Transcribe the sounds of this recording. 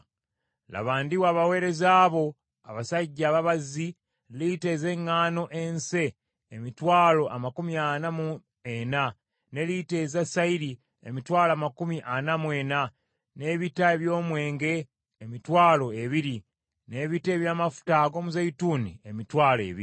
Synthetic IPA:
la̰βaːndiwaːβawe̞ːɾe̞zaːβo̞ | a̰βasaɟːaːβaβazi | lite̞ze̞ŋːaːno̞ʔense̞ː | mitwaːlo̞ʔamakumianamu | ena | ne̞lite̞zasaiɾi | ḛmitwaːlaːmakumiʔanamwe̞ːna | ne̞ːβitaeβjo̞ːmwe̞ːŋɡe̞ː | mitwaːlo̞eβiɾi | ne̞ːβite̞ːβjaːmafu̥taɡo̞ːmuzaituːniemitwaːle̞̰βḭi

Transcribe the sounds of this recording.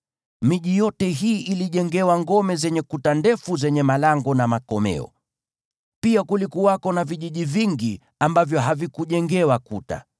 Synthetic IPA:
miʄijɔtɛɦiːʔiliʄɛŋɡɛwaŋɡɔmɛzɛɲɛkutandɛfuzɛɲɛmalaŋɡɔnamakɔmɛ̰ɔ̰ | piakulikuwakɔnaviʄiʄiviŋɡi | ambavjɔɦavikuʄɛŋɡɛwakuta̰

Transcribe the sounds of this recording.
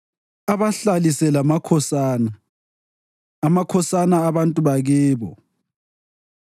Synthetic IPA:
aβaɬalisɛlamakʰɔsaːna | makʰɔsanaːβantʼuβaɣɛːβɔ̰

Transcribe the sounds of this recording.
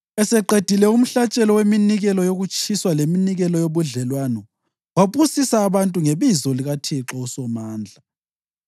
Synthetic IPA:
ɛsɛǃed̥ʱilɛum̩ɬat͡ʃʼɛlɔweminiɣɛlɔjoɣut͡ʃʼʰiswaleminiɣɛlɔjoβuɮɛlwanɔ | waβusisaːβantʼuŋeβizɔliɣatʰiǁɔusɔmaːnd͡ɮʱa

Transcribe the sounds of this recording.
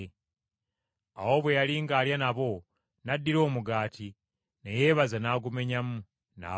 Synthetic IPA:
a̰wo̞βwe̞jaliŋɡaːljanaβo̞ | nadːiɾo̞ːmuɡaːti | neje̞ːβazanaːɡume̞ɲamu | na̰

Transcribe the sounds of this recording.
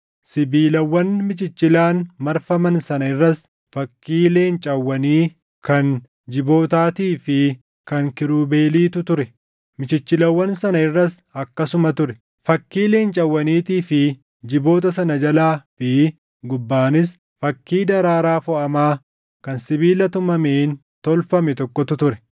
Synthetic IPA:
sɪbiːlɐwːɐnmɪt͡ʃɪt͡ʃːɪlaːnmɐɾfɐmɐnsɐnɐɪrːɐs | fɐkːiːle̞ːnt͡ʃʼɐwːɐniː | kɐn | d͡ʒɪbo̞ːt̪aːt̪iːfɪ | kɐŋkɪɾuːbe̞ːliːt̪ʊt̪ʊɾɛ | mɪt͡ʃɪt͡ʃːɪlɐwːɐnsɐnɐɪrːɐs | ɐkːɐsʊmɐt̪ʊɾɛ̥ | fɐkːiːle̞ːnt͡ʃʼɐwːɐniːt̪iːfɪ | d͡ʒɪbo̞ːt̪̬ɐsɐnɐd͡ʒɐlaːfɪ | ɡʊbːaːnɪs̬ | fɐkːiːd̪ɐɾaːɾaːfɔʔɐmaː | kɐnsɪbiːlɐt̪ʊmɐmeːn | t̪ɔlfɐmɛt̪ɔkːɔt̪ʊt̪ʊɾɛ̥

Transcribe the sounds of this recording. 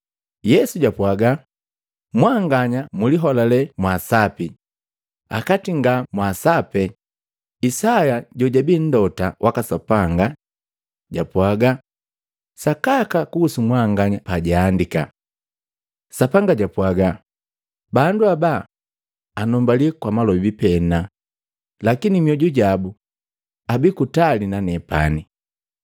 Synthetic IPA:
jɛsuɟapwaɡa | mwaŋɡaɲamuliɦɔlalɛmwasapi | a̰katiŋɡamwasapɛ | isajaɟɔɟabin̩dɔtawʔakasapaŋɡa | ɟapwaɡa | sakakakuːsumwaŋɡaɲapaɟaːndika | sapaŋɡaɟapwaɡa | banduaba | anɔmbalikwamalɔibipɛna | lakinimiɔɟuɟabu | abikutalinanɛpa̰ni

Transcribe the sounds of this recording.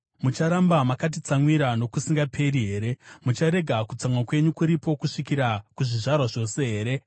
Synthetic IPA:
mut͡ʃaɾambamakat̬it͡samwiɾano̞kusiŋɡapʰe̞ɾiɦe̞ːɾe̞mut͡ʃaɾe̞ɡʱakut͡samwakwe̞ɲukuɾipo̞kuʂikiɾakuʐiʐarwaʐo̞se̞ɦe̞ːɾe̞

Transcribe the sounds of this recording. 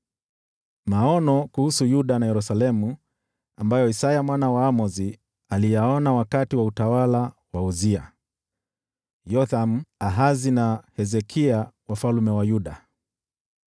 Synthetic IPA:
maɔnɔkuhusujuɗanajɛɾusalɛmu | ambajɔisajamwanawaːmɔzi | alijaɔnawakatiwautawalawauzia | jɔθamaɦazinahɛzɛkʰiawafalumɛwajuɗa

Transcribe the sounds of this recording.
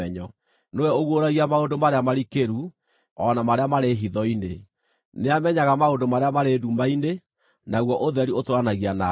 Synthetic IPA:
ɛɲɔ | nowɛoɣwoɾaɣiamaondomaɾeamaɾikeɾu | ɔnamaɾeamaɾeɦiðɔine | neamɛɲaɣamaondomaɾeamaɾedumaine | naɣwɔʔoðɛɾiotoɾanaɣiana

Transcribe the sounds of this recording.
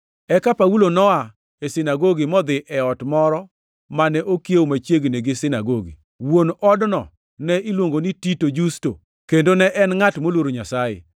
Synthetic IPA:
ɛkapaulonɔa | esɪnaɡoɡɪmɔd̪ɪʔɛɔtmɔɾɔ | manɛʔokjewomat͡ʃjeɡneɡɪsɪnaɡoɡḭ | wonɔdnɔ̰ | nɛʔilwoŋɡonititod͡ʒusto̰ | kendonɛʔɛnŋatmolwoɾoɲasajḛ

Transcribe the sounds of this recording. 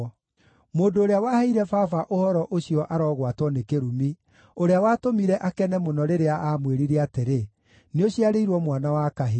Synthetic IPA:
moːndoːɾeawahaiɾɛfafaʔohɔɾɔʔoɕiɔʔaɾɔːɣwatwɔnekeɾumi | oɾeawaːtomiɾɛʔakɛnɛmonɔɾeɾeaamweɾiɾeateɾe | neoɕiaɾeiɾwɔmwanawakaɦi

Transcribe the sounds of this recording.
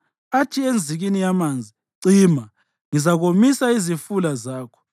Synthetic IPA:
atʰiend͡zʱiɣinijamaːnd͡zʱi | ǀiːma | ŋizaɣomisaizifulazaːkʰɔ̥

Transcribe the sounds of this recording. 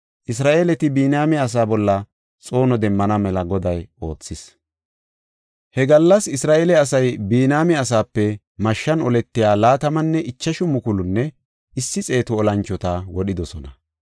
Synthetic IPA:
ʔɪs̬ɾaːʔeːlɛt̪ɪbiːnaːmɪɐs̬aːbɔlːɐ | t͡sʼo̞ːnɔd̪ɛmːɐnɐmɛlɐɡɔd̪ɐjo̞ːt͡sːɪs | hɛɡɐlːɐsɪsɾaːʔeːlɛɐsɐjbiːnaːmɪɐs̬aːpːɛ | mɐʃːɐnɔlɛt̪ːɪjaːlaːt̪ɐmɐnːɛʔɪt͡ʃːɐʃʊmʊkʊlʊnːɛ | ɪsːɪt͡sʼe̞ːt̪ʊɔlɐnt͡ʃːɔt̪awɔɗɪd̪ɔsɔnɐ

